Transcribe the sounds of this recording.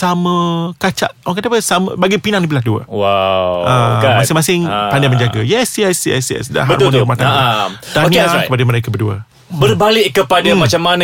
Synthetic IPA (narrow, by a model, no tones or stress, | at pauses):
samə̃kat͡ʃa̰ʔwŋkat̪apəsamə̰baɡipinaŋnip̬ilah̚duə̰wawəmasɪŋmasɪŋpandamə̃ɲd͡ʒaɡajɛsjɛsjɛ̰sjɛ̰sda̰ɦab̰rɔnmat̪a | t̪aniakə̥padəməɾekəbəduə̰ | bərbalɪʔkəpadamat͡ʃamːanə̃